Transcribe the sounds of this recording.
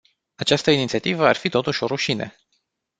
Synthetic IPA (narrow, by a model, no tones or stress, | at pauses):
at͡ʃast̪əinit̪siat̪ivəarfit̪o̞t̪uʃʲo̞ɾuʃinḛ